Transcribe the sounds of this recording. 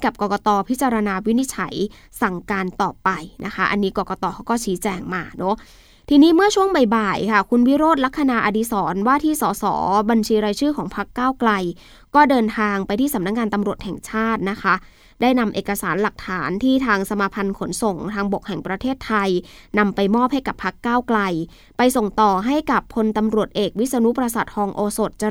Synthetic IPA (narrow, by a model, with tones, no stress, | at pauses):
ka˨˩p̚kɔː˨˩kɔː˧t̪ɔː˧pʰi˦˥t̚t͡ɕa˧ɾa˧naː˧wi˦˥ni˦˥t̪̚t͡ɕʰa̰˩˦j | sa˨˩ŋkaː˧nt̪ɔː˨˩pa˧jnʔa˦˥kʰa˦˥ʔa˧nːiː˦˥kɔː˨˩kɔː˧t̪ɔː˧kʰa˦˥wkɔː˥˩t͡ɕʰiː˦˥t͡ɕɛː˧ŋmaː˧nɔ˦˥ | t̪ʰiː˧niː˦˥mɯ˥˩ɐt͡ɕʰu˥˩əŋba˨˩jbaː˨˩jkʰa˥˩kʰu˧nwi˦˥ɾoː˥˩t̪̚la˦˥k̚ʰːa˧naː˧ʔa˧diː˧˥sɔː˩˦nwaː˥˩t̪ʰiː˥˩sɔː˨˩˦sɔ̰ː˩˦ba˧nt͡ɕʰiː˧ɾaː˧jt͡ɕʰɯː˥˩kʰɔː˩˦ŋpʰa˦˥kːaː˥˩wkla˧j | kɔː˥˩dɤː˧nt̪ʰaː˧ŋpa˧jt̪ʰiː˥˩sa˩˦na˦˥k̚ŋaː˧nt̪a˧mɾu˨˩ət̪̚hɛ˨˩ŋt͡ɕʰaː˥˩t̪̚na˦˥kʰa˦˥ | daː˥˩jna˧mʔeː˨˩ka˧saː˩˦nla˨˩k̚t̪ʰaː˩˦nt̪ʰiː˥˩t̪ʰaː˧ŋsa˧maː˧pʰa˧nkʰo˨˩˦nso˨˩ŋt̪ʰaː˧ŋbo˨˩k̚hɛ˨˩ŋpɾa˧t̪ʰeː˥˩t̪ʰːa˧jna˧mpa˧jmɔː˥˩p̚ha˥˩jka˨˩pʰːa˦˥kːaː˥˩wkla˧j | pa˧jso˨˩ŋt̪ɔː˨˩ɦa˥˩jka˨˩pʰːo˧nt̪a˧mɾu˨˩ət̪̚ʔeː˨˩k̚wi˦˥sa˧nu˦˥pɾa˧sa˨˩t̪̚hɔː˧ŋʔoː˧so˨˩t̪̚t͡ɕa˧